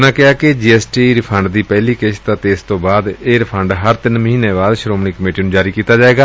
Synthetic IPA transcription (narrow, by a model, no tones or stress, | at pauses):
nãːkɪaːkɪd͡ʒiːɛːsʈiːɾɪpʰəɳɖd̪iːpɛːliːkeʃt̪ãːt̪eːɪst̪õːbaːd̪eːɾɪpʰəɳɖɦəɾt̪ɪnməɦiːneːbaːd̪ʃɾoːmniːkəmeːʈiːnũːd͡ʒaːɾiːkiːt̪aːd͡ʒaːeːɡaː